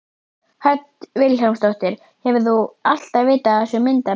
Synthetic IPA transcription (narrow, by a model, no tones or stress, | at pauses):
hœt̪vɪlawmst̪owht̪ɪɾ̥ | hɛvʏθual̥t̪aðvɪːt̪aɛsɛmːɪnt̪a